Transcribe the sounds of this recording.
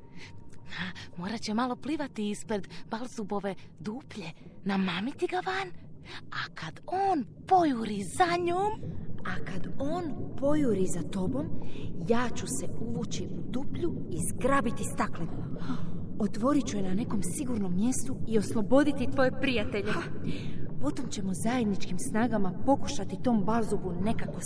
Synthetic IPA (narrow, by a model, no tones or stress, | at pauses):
amo̞ːɾat͡ɕe̞malˠo̞pliːʋat̪iːspɾed̪balˠzubo̞ʋe̞d̪uːpʎe̞ | namaːmit̪iɡaʋanakad̪oːn | po̞juɾizaɲoːmakad̪o̞ːnpo̞juɾizat̪o̞bo̞mjaːt͡ɕuse̞uʋut͡ɕiʔud̪upʎuizɡɾabit̪ist̪aklenima | o̞t̪ʋo̞ɾit͡ɕuenane̞ko̞msiɡuɾno̞mːje̞st̪uio̞slˠo̞bo̞d̪it̪it̪ʋo̞jepɾijat̪e̞ʎe̞ | po̞t̪o̞mt͡ɕe̞mozaje̞d̪nit͡ʃkimsnaːɡamapo̞kuʃat̪it̪o̞ːmbalzubune̞kako